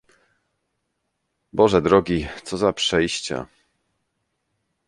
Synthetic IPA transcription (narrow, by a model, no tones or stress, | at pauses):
bɔʐɛd̪ɾɔɡʲit̪sɔzapʂɛjɕt͡ɕa̰